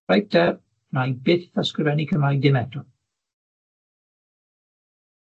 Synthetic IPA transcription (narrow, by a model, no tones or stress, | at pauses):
aj̚d̥ɛr | najbɪθaskrɪvɛnikʰəmajdɪmɛdɔ